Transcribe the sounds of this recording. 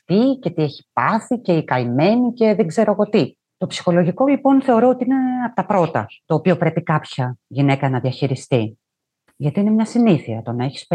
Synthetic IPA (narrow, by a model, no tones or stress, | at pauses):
fice̞t̪ie̞çi̥p̚ɐθice̞ikɐime̞nice̞ðeŋɡze̞ɾoɐɣo̞t̪i | t̪o̞psi̥xo̞lo̞ʝiko̞lipo̞nθe̞o̞ɾoot̪iine̞ɐpot̪ɐpɾo̞t̪ɐ̰t̪o̞ːpio̞pɾe̞pikɐpçɐʝine̞kɐnɐðiɐçiɾist̪i | ʝɐt̪iinemɲɐsiniθiɐt̪o̞nɐeçi̥s